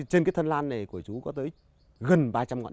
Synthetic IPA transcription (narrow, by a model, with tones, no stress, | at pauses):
t͡ɕe˧nkaː˨˦jt̪ʰə˧nlaː˧nːa˨˩jku˧˩ət͡ɕu˨˦kɔ˨˦t̪əː˨˦j | ɣə˨˩nɓaː˧t͡ɕa˧mŋɔ̰˧˨n